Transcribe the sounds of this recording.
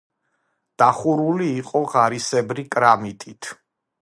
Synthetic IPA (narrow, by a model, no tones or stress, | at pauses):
d̪̥aχuɾuliːqʼɔʁaɾisɛbɾikʼɾamit̪ʼit̪ʰ